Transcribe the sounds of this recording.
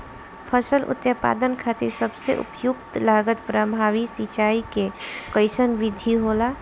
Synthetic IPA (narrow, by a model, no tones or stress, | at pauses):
pʰəsəlʔʊ̰t̪jəpa̰ːd̪ənkʰaːt̪ɪɾsəbsḛʔʊ̰pjʊkt̪laːɡət̪pɾəbʱaːʋisit͡ʃaːikekəɪsənʋɪd̪ʱiɦoːlaː